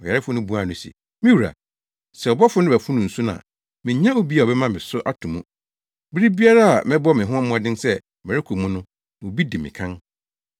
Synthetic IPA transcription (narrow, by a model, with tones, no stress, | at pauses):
ɔ˨jɛ˨ɾɪ˦fʊ˦nʊ̃˦bu˦a˦˨nʊ̃˨sḭ˨ | mɪ̃˦wu˨ɾa̰˨ | sɛ˨ɔ˨bɔ˦fʊ˦nɪ̃˦bæ˨fʊ˦nʊ̃˨n̩˨su˦nã̰˨ | mɪ̃˨˦ɲã˦o˦bi˦a˨ɔ˨bɛ˦mã˦mɪ̃˨sʊ˦ʔa˦tʰũ˨mũ˦˨ | bi˦ɾi˦bi˦a˦ɾa˦a˨mɪ̃˦bɔ˦mɪ̃˨ɦʊ̃˦m̩˦m˦ɔ̃˦dɪ̃˦nsɛ˦ | mɪ̃˨ɾɪ˦kʰu˨mũ˦nʊ̃˦ | mʊ̃˨bi˦dɪ˨mɪ̰̃˨kʰã˦n